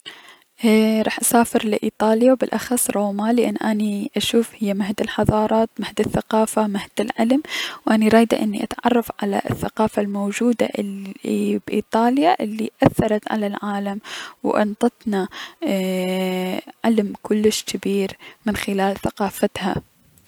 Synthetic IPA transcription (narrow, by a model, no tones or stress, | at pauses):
ʔɾˤɑ̰ːħʔasaːfɪɾlɪʔiːt̪ˤɑːljawbɪlʔaxɑsˤːɾˤɑːmalɪʔɪ̰nːʔaniʔaʃuːfhɪjːamahd̪ɪlħɑðˤɑːɾˤɑːt̪mahd̪ɪθːaqɑːfamahd̪ɪlʕɪlmwʔaniɾˤɑːjd̪a̰ʔɪnːiʔa̰t̪ʕɑ̰rˤːɑfʕala̰ʔɪ̰θːaqɑːfalmowd͡ʒuːd̪a̰ʔ | bʔḭːt̪ˤɑːljaʔɪlːiʔaθːɑɾˤɑt̪ʕa̰lalʕaːlamwʔʊ̰nt̪ˤɑt̪ˤna | ʕɪlmkʊlːɪʃkʰɪbiːɾmɪnxɪlaːlθaqɑːfat̪ha̰